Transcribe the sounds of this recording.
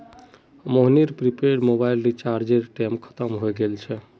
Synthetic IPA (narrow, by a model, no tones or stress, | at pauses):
moɦniɾpɾipeɖmobajlːit͡ʃaɾd͡ʒeɾʈɛmkʰə̥t̪əmɦojɡelt͡ʃʰɛ